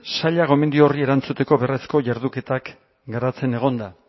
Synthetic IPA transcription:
saʎaɣo̞me̞nd̪iorie̞ɾant͡sut̪e̞ko̞βe̞re̞sko̞ʝaɾðuke̞t̪ak | ɡaɾat͡se̞ne̞ɣ̞o̞nd̪a

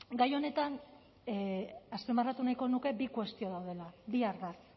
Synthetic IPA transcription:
ɡajo̞ne̞t̪an | aspemarat̪unajko̞nuke̞bikwe̞st̪io̞ðawðe̞labiaɾβak̪

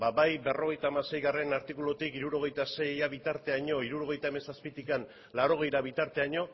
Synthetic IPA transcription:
baβajbe̞ro̞ɣ̞e̞jt̪aːmase̞jɣare̞naɾt̪ikulot̪ikiɾuɾo̞ɣ̞e̞jt̪ase̞jaβit̪aɾt̪e̞aɲo̞iɾuɾo̞ɣe̞jt̪aeme̞saspit̪ikan | lawɾo̞ɣ̞e̞jɾaβit̪aɾt̪e̞aɲo̞

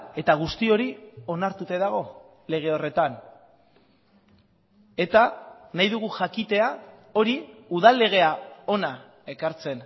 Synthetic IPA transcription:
e̞t̪aɣ̞ust̪io̞ɾio̞naɾt̪ut̪eðaɣ̞o̞ | le̞ɣ̞e̞o̞re̞t̪an | e̞t̪a | najðuɣ̞uʝakit̪e̞a | o̞ɾiuðalːe̞ɣ̞e̞ao̞na | e̞kaɾt͡se̞n

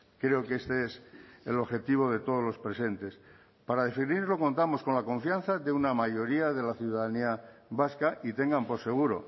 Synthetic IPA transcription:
kɾe̞okest̪eeselo̞xe̞t̪iβ̞o̞ðe̞t̪o̞ð̞ozlo̞spɾe̞se̞nt̪e̞s | paɾaðe̞finiɾlo̞ko̞nt̪amo̞sko̞nlakõ̞ɱfjan̟θadeunamaʝo̞ɾiaðe̞laθjuðaðaniaβaskaʔit̪e̞ŋɡampo̞ɾse̞ɣ̞uɾo̞̰

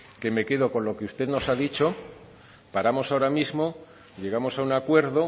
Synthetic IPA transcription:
ke̞me̞ke̞ðo̞ko̞nlo̞keust̪e̞ðno̞saðit͡ʃo̞ | paɾamo̞saoɾamizmo̞ | ʎe̞ɣ̞amo̞saunakwe̞ɾðo̞

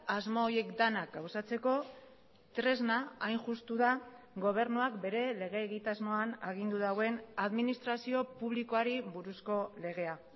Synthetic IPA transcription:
azmoːje̞kd̪anakawsat͡se̞ko̞ | t̪ɾe̞znaajnʝust̪uða | ɡo̞β̞e̞ɾnuakbe̞ɾe̞le̞ɣ̞e̞ːɣit̪azmo̞anaɣ̞ind̪uðawe̞naðminist̪ɾasio̞puβ̞liko̞aɾiβuɾusko̞le̞ɣ̞e̞a

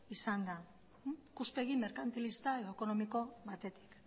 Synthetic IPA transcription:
isand̪a | kuspe̞ɣime̞ɾkant̪elist̪aeðo̞eko̞no̞miko̞βat̪e̞t̪i̥k

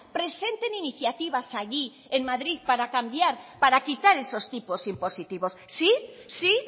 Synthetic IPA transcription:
pɾe̞se̞nt̪e̞niniθjat̪iβasaʎi | enmaðɾiðpaɾakambjaɾpaɾakit̪aɾe̞so̞st̪ipo̞simpo̞sit̪iβo̞ssisi

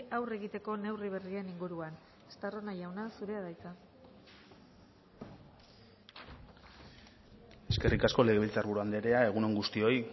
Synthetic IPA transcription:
awre̞ɣit̪e̞ko̞ne̞wriβ̞e̞rie̞niŋɡuɾuan | e̥st̪aro̞najawnasuɾe̞aðajt͡s̪a | e̞ske̞rʔikasko̞le̞ɣe̞βilt͡saɾβuɾuand̪e̞ɾe̞ae̞ɣ̞uno̞ŋɡust̪io̞j

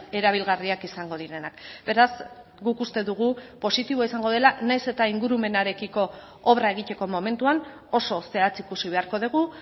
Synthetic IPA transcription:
e̞ɾaβ̞ilɣariakisaŋɡo̞ðiɾe̞nakbe̞ɾaz | ɡukust̪e̞ðuɣ̞upo̞sit̪iβoaisaŋɡo̞ðe̞lanajse̞t̪aiŋɡuɾume̞naɾe̞kiko̞ | oβɾae̞ɣ̞it̪e̞ko̞mo̞me̞nt̪uan | o̞so̞se̞at͡sikusiβ̞e̞aɾko̞ðeɣ̞u

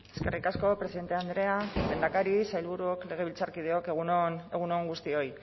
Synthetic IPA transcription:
e̞ske̞rikasko̞pɾesiðe̞nt̪e̞and̪ɾe̞alend̪akaɾisajlβuɾuokle̞ɣ̞e̞β̞ilt͡saɾkið̞eo̞keɣuneɣ̞unoŋɡust̪io̞j

